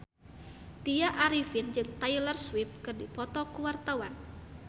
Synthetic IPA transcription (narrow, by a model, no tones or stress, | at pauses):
t̪ijaʔaɾifind͡ʒɨŋt̪ajlərswip̚kɨrdipɔt̪ɔkuwart̪awan